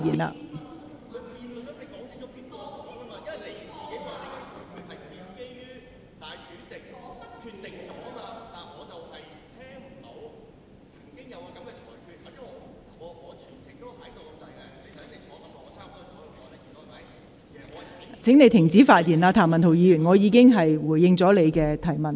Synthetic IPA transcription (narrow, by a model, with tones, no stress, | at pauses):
jiː˨˩nla̰ː˧ | kʰi˨˧ɐ˨˥e˨˧kɔ˨˥t͡sɪ˨˥t͡ʃʊ˥pi˥ɔ˧i˨˥maː˧˥˨le˨˧jt͡siː˨˩ke˨˥jpʰːt̪e˨˩kːt͡ʃʰːkʰy˧hɐ˨jp̪iː˨˧˥nke˥jyː˥ | t̪aː˨jt͡ʃyː˨˥t͡sɪ˨k̚t̪ɐ˥kʰːyː˧tt̪ɪ˨ŋt͡sʊ˨˥a˧t̪aː˨˩nŋɔː˨˧t͡sɐ˨whɐ˨j | t̪ʰɛː˥ŋm̩˨˩t̪o˨˧w | t͡sʰɐ̥˨˩ŋkɪ˥ŋjɐ˨˧wkɐ˨˦˥kɛ˧ɔː˨˩kʰyː˨˧t̚ɐ˧ | ŋɔ˨˧ŋɔː˨˧t͡ʃʰyː˨˩nt͡sʰɪ˨˩ŋt̪o˥t̪ʰɐ˨˥jt̪o˨wt̪ɐ˨˩ɛ˧˥e˨˧ɐ˨˥˨ɔː˨˥mɐː˨˩˧mɔ˨˧˥ɐ˨˦j | t͡sʰɪ˨˥ŋne˨˧jt̪ʰɪ˨˩ŋt͡siː˨˥faː˧t̚jiː˨˩nlaː˧t̪ʰaː˨˩mɐ˨˩nt̪ʰo˨˩wjiː˨˧jyː˨˩nŋɔː˨˧jiː˨˧˥kɪ˥ŋɦɐ˨jwuː˨˩jːɪ˧ŋt͡sɔː˨˥le˨˧jkɛː˧t̪ʰɐ˨˩jmɐ˨˩n